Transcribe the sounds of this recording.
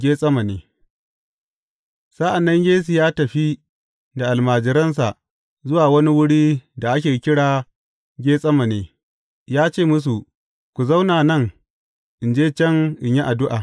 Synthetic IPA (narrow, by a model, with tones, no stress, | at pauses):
ɡʲeː˦sʼɐ˦ma˨neː˦ | sa˦ʔa˨nːɐ˦ŋɡʲeː˦s̬i˨jaː˦tɐ˨ɸi˦ | da˨ʔa˨lmaː˨d͡ʒɪ˨ɾɐ˦ns̬a˨ʔ | zʊ˦waː˨wɐ˦ni˦wʊ˦ɽiː˦da˨ʔa˦k̬ʲeː˨˦kʲɪ˦ɽaː˨ | ɡʲeː˦sʼɐ˦ma˨neː˨˦ | jaː˦t͡ʃeː˦˨mʊ˦s̬u˨ | kʷu˨za˦wnaː˨nɐ˦˨ŋ | ʔɪ˨nd͡ʒeː˦t͡ʃɛ˦ŋʔɪ˨ɲji˦ʔa˨dʊ˦ʔa̰ː˨